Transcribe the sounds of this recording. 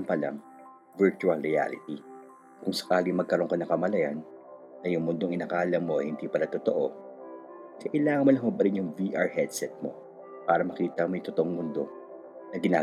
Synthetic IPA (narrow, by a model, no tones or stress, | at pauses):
mpɐlɐ̰ŋ | vɛɹt͡ʃuɐlɾɪa̰ːlɪ̰t̪i | kʊŋsɐ̥kaːliŋmɐɡ̚kɐɾo̞ŋkɐnɐŋkɐmɐlɐjanː | ɐjʊŋmʊnd̪oŋʔɪnaːkaːlɐmːoʔɐjhɪnd̪iːpɐlɐt̪ot̪oʔo̞ | kɐʔɪlaːŋɐnmolɐŋmobɐɾɪnjʊŋviʔaɹhɛd̪sɛt̪̚mo̞̰ | paːɾɐmɐkiːt̪ɐŋmɐjt̪ot̪oʔoŋmʊnd̪o̞ | nɐɡɪna̰ː